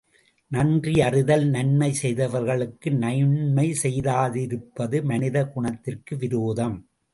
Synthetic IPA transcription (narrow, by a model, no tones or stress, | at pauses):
nɐndriɐrɪðɐlnɐnmɐɪsɛjðɐʋɐɾɣɐɭɯkːɯnɐjɳmɐɪsɛjðaːðɪɾɯpːɐðɯmɐnɪðɐɡʊɳɐt̪ːɪrkɯʋɪɾoːðɐm